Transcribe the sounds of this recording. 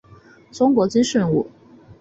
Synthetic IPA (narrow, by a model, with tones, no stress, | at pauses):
ʈ͡ʂʊ˥ŋkwɔ˧˥t͡ɕi˥nʂə˥˧nṵ˥˩